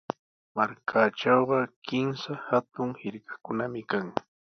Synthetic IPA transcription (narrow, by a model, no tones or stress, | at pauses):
maɾkʰaʈ͡ʂɑwɢɑkɪmsahat̪ʊŋhɪɾkḁkʊnamɪkaŋ